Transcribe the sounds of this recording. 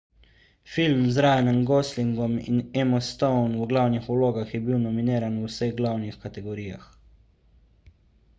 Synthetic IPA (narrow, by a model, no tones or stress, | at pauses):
filmzɾaːjnɛnɡɔsliŋɡɔmḭnɛmɔst̪ɔwnuɡlawnixuloːɡaxjɛbiwnɔmineːɾanuwsəɣɡlawnixkat̪ɛɡɔɾiːja̰x